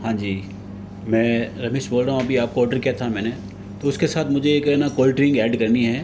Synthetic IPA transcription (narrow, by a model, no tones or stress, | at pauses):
hãːd͡ʒiː | mɛ̃ːɾɐmeːʃboːlɾaːɦũɐbʱiaːp̚koɔːɾɖəɾkijat̪ʰamɛ̃ːne | t̪oʊskesaːt̪ʰmʊd͡ʒʱejekɐɾnakɔːlʈɾɪ̃ŋɡɛːɖkɐɾniɦɛː